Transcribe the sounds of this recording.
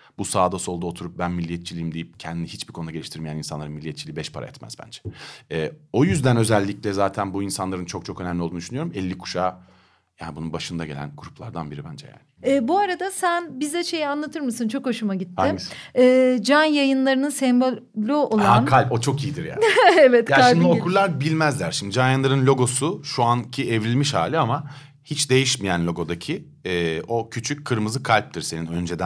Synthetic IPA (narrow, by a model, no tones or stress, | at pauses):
b̥usaːd̪aso̞lˠd̪uot̪ʰuɾup̚bænmilʲːijɛt̪t͡ʃʰilʲijimd̪ejip̚cʰɛnd̪inihit͡ʃbikʰonud̪aɟe̞lʲiʃt̪ʰiɾmejæninsanˠaɾɯnmilʲːiɛt̪t͡ʃʰilʲiːbɛʃpʰa̰ɾa̰jɛ̰t̪mæ̰z̥bæ̰nd͡ʒɛ̥ɛːo̞jyzd̪ænø̞zɛlʲːiclʲɛzaːt̪ʰænbuinsanlˠaɾɯnt͡ʃʰo̞k̚t͡ʃʰo̞kønæmlʲiod̪yʃynyjoɾumɛlʲːikʰu̥ʃaː | ja̰ːnibununbaʃɯnd̪aɟe̞lʲæ̰nɡuɾuplˠaɾd̪anbiɾibænd͡ʒɛ̰ja̰ːnɪ̥ɛːbuaɾad̪asænbizd̪ɛʃe̞jianlˠat̪ʰɯɾmɯsɯnt͡ʃʰo̞kho̞ʃumaɟit̪ːaɪɛːd͡ʒanjajɯnlˠaɾɯnɯnsɛmbo | lʲoolˠnkʰalʲpo̞t͡ʃʰo̞kijid̪iɾja̰evɛt̪kjaʃʃimd̪iokʰulˠaɾbilʲmæzlʲæɾʃimd̪id͡ʒanjɯnlˠaɾɯnlʲo̞ɡo̞suʃuancʰievɾʲilʲmiʃha̰ːlʲiama | hit͡ʃd̪e̞jiʃmijænlʲo̞ɡo̞d̪acʰi | ɛːo̞cʰyt͡ʃʰyc̚ʲkʰːɯɾmɯzɯkʰalʲp̚t̪ʰɯɾse̞ninø̞nd͡ʒe̞d̪æ